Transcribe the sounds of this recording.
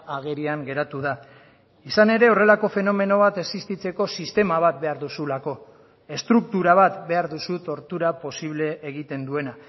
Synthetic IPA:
aɣeɾiaŋɡe̞ɾat̪uða | isane̞ɾe̞o̞re̞lako̞fe̞no̞me̞no̞β̞at̪e̞sist̪it͡se̞ko̞sist̪e̞maβ̞at̪̚be̞aɾðusulako̞ | e̞st̪ɾuk̚t̪uɾaβat̪be̞aɾðusut̪o̞ɾt̪uɾapo̞siβ̞le̞ːɣ̞it̪e̞nd̪ue̞na

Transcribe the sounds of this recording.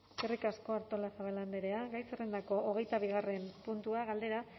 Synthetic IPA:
serikasko̞aɾt̪olasaβaland̪eɾe̞aɣajsere̞nd̪ako̞ʔoɣe̞jt̪aβ̞iɣ̞are̞mpunt̪uaɣald̪e̞ɾa

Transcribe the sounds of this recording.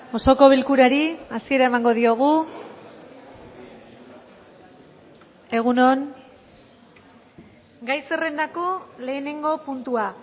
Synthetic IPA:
o̞so̞ko̞βilkuɾaɾiasie̞ɾae̞maŋɡo̞ðio̞ɣ̞u | e̞ɣ̞uno̞n | ɡajse̞re̞nd̪akole̞ːne̞ŋɡo̞punt̪ua

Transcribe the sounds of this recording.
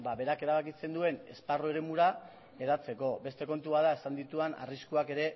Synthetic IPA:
baβe̞ɾake̞ɾaβakise̞nd̪ue̞ne̞̰sparoe̞ɾe̞muɾa | e̞ðat͡se̞ko̞be̞st̪e̞ko̞nt̪uβaðaesand̪it̪uana̰riskuake̞ɾe̞

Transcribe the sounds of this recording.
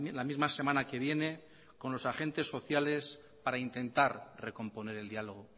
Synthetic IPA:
lamizmase̞manake̞β̞je̞ne̞ | ko̞nlo̞saxe̞nt̪e̞sːo̞θjale̞s | paɾaint̪e̞nt̪aɾre̞ko̞mpo̞ne̞ɾe̞ld̪jaloɣ̞o̞

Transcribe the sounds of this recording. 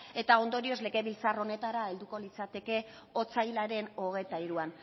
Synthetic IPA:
e̞t̪ao̞nd̪o̞ɾio̞zle̞ɣe̞βilt͡saro̞ne̞t̪aɾae̞ld̪uko̞lit͡sat̪e̞ke̞ | o̞t͡sajlaɾe̞no̞ɣ̞e̞t̪aiɾuan

